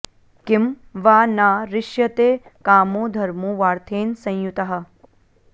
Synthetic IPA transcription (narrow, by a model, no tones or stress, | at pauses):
kɪm | ʋaːnaːɾɪʃjɐt̪eːkaːmoːd̪ʱɐɾmuːʋaːɾt̪ʰeːnsɐ̃j̃jut̪ɐɦɐ̆